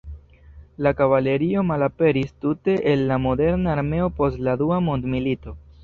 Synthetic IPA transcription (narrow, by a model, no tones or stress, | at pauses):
lakavale̞ɾio̞malape̞ɾistute̞ʔelːamo̞de̞ɾnaːɾme̞o̞po̞stladuamondmilito̞